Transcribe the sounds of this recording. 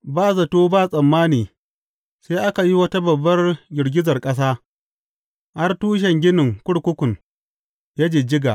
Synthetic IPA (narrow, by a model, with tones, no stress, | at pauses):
baː˦˨zɐ˨toː˦baː˦˨sʼɐ˨mːaː˦niː˨ | seː˦ʔa˦ka˨ji˦wɐ˦ta˦bɐ˨bːɐ˦rɡʲɪ˨ɽɡʲɪ˦zɐ˨rkʼɐ˦s̬aː˦ | ha˦rtuː˦ʃ̬ɛ˨ŋɡʲɪ˦nɪ˨ŋkʷʊ˦ɽkʷʊ˦kʷʊ˨ŋ | jaː˦d͡ʒeː˨d͡ʒɪ˦ɡa̰˨ʔ